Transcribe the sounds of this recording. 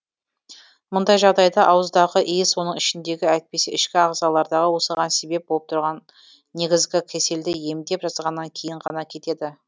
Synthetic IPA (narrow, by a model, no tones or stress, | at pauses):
mʊnd̪ɑjʒɑʁd̪ɑjd̪ɑʔɑwəzd̪ɑʁəʔijswo̞nəɴɪʃɪnd̪e̞ɡʲɪæjt̪̚pe̞seɪʃkʲɪɑʁzɑlˠɑɾd̪ɑʁəwo̞səʁɑnse̞be̞p̚bolˠəpt̪ʰʊɾʁɑnː | e̞ɡʲɪzɡʲɪkʲʰe̞se̞ld̪ɪje̞md̪e̞pʒɑzʁɑnːɑŋkʲʰe̞jɪɴʁɑnɑkʲʰe̞t̪e̞d̪ɪ